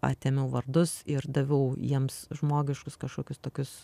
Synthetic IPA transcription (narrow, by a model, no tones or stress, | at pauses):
ɑ̰ːt̪ʲeːmʲɛʊʋɐrd̪ʊsɪɾd̪ɐʋʲɛʊjiɛmsʒmoːɡʲɪʃkʊskɐʃkoːkʲʊst̪oːkʲʊs